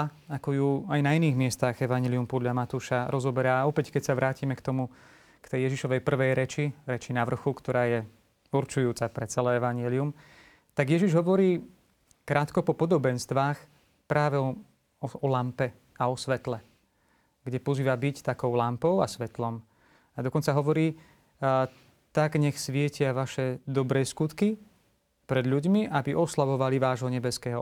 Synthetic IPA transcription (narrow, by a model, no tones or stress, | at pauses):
akɔjuajnainiːɣmɪɛst̪aɣɛʋaɲɛliumpɔd̪ʎamat̪uːʃaɾʔɔzɔbɛɾaːɔpɛckɛcsaʋɾʔaːcimɛkt̪ɔmu | kt̪ɛjjɛʒiʃɔʋɛjpr̩ʋɛjɾɛt͡ʃiɾɛt͡ʃinaʋr̩xukt̪ɔɾaːjɛ | uɾt͡ʃujuːt͡sapɾɛt͡sɛlɛɛʋaɲɪɛlium | t̪aɡjɛʒiʒɦɔʋɔɾiː | kɾʔaːt̪kɔpɔpɔd̪ɔbɛnst̪ʋaːx | pɾaːʋɛɔ | ɔɔlampɛ | aɔsʋɛt̪lɛ | ɡɟɛpɔziːʋabict̪akɔʊlampɔʊa̰sʋɛt̪lɔm | ad̪ɔkɔnt͡saɦɔʋɔɾiː | t̪aɡɲɛxsʋɪɛcɪaʋaʃɛd̪ɔbɾɛːskut̪ki | pɾɛd̪ʎuɟmiʔabiʔɔslaʋɔʋaliʋaːʒɦɔɲɛbɛskɛːɦɔ